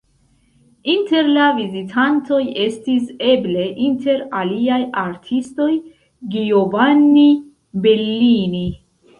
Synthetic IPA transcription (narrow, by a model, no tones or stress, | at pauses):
inte̞ɾlavizitʰanto̞je̞stise̞ble̞ʔinte̞ɾaliajaɾtʰisto̞j | ɡiovanːi | be̞lːini